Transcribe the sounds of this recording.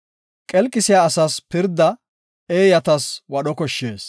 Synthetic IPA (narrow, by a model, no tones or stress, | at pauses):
kʼɛlkʼːɪsɪjaːsɐspɪɾd̪ːɐ | eːjɐt̪ɐswɐɗɔkɔʃːeːs